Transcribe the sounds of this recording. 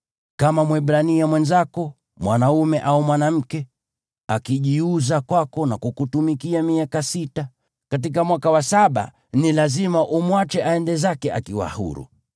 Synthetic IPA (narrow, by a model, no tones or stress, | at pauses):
kamamwɛɓɾaniamwɛnzakɔ | mwanaumɛʔaumwanam̩kɛ | akiʄiuzakwakɔnakukutumikiamiakasita | kat̬ik̬amwakawasaɓa̰ | nilazimaʔumwat͡ʃɛʔaɛndɛzakɛa̰kiwa̰hṵɾṵ